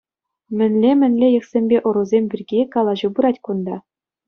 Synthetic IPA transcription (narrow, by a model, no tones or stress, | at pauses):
mʲɘ̆nʲlʲemʲɘ̆nʲlʲejɤ̆ksʲemʲbʲeʔŏɾuzʲemʲbʲirʲɡʲikɑlˠɑʑɤbɯɾɑtʲkund̪ɑ